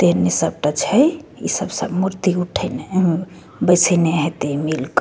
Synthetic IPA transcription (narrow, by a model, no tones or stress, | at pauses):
t̪enesəb̚ʈat͡ʃʰɛḭsəbsəbmuɾt̪iuʈʰəjne | bəjsəjneɦet̪emilk